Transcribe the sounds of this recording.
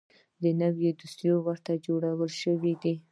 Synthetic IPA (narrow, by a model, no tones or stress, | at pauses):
d̪ənawjed̪ust̪jowəɾt̪ad͡ʒoɽawəlʃəwid̪i